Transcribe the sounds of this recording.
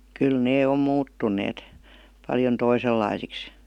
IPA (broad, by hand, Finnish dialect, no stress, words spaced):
kyl neː om muːtːunˑeːt pɑljon toiselːɑisiks